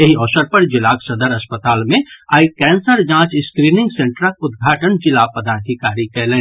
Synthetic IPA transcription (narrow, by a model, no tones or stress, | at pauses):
eɦiɔːsəɾpɐɾd͡ʒɪlaːksɐd̪əɾɐspət̪aːlmẽaːikɛ̃ːnsəɾd͡ʒãːt͡ʃɪskɾiːnɪ̃ŋɡsẽɳʈɾakʊd̪̚ɡʱaːʈənd͡ʒɪlapəd̪aːd̪ʱikaːɾikɛːlẽː